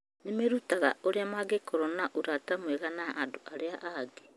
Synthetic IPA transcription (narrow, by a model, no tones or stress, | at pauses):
nemeɾutaɣa̰oɾeamaɡekʰoɾonaʔoɾatamweɣanaʔːdoʔaɾeaʔaɡe